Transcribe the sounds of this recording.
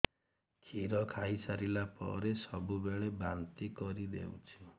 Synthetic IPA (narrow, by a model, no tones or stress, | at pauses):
kʰiɾɔkʰaisaɾilapɔ̰ɾesɔbubeɭebant̪ikɔɾid̪ḛwt͡ʃʰi̥